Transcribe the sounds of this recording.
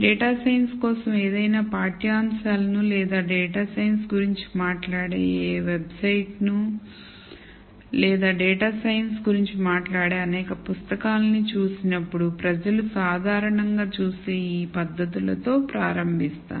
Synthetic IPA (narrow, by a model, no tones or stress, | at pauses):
ɖɛːʈaːsɐjnskɔːsɐmeːd̪ɐjnaːpaːɾʈijaːmʃaːlɐnulɛːd̪aːɖɛːʈaːsɐjnsɡuɾiɲt͡ʃi̥maːʈlaːɽḛːʋebsɐjʈnu | lɛːd̪aːɖɛːʈaːsɐjɐnsɡuɾiɲt͡ʃimaːʈlaːɽeːɐnɛːkɐpust̪ɐkaːlɐnit͡ʃuːsinɐpːuɽupɾɐd͡ʒɐlusaːd̪ʱaːɾɐɳɐŋɡaːt͡ʃuːst̪eːiːpɐd̪ːɐt̪ulɐt̪o̞ːpɾaːɾɐmbʱist̪a̰ː